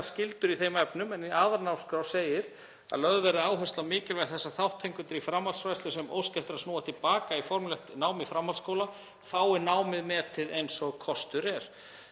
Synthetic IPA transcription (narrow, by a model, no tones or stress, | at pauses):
scɪlt̪ʏɾiθejmɛpnʏmɛniʔaːðaɾnawskɾawseːjɪɾ | a̰ðlœɣðvɛɾɪaːwɦœslamɪːcɪlvɛθɛsːaθawht̪ʰːejŋkʏnt̪ɪɾifɾamhalsfajst̪lʏsɛmo̰wscɛft̪ɪɾaðsnuːat̪ʰɪlpaːkaifɔɾmlɛxt̪naːwmɪfɾamhalskowla | faːwɪnaːwmɪðmɛːðt̪ʰɪðejnsɔɣkʰɔst̪ʏɾɛɾ̥